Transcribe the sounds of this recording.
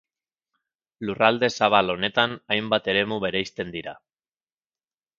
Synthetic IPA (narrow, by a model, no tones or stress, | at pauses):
lurald̪e̞saβalo̞ne̞t̪anajmbat̪e̞ɾe̞muβe̞ɾe̞jst̪e̞nd̪iɾa̰